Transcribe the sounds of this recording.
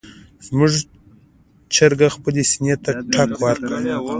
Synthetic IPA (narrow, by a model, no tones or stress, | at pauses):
zmuʐ | t͡ʃaɾɡaxpəlesinet̪aʈʰakwaɾka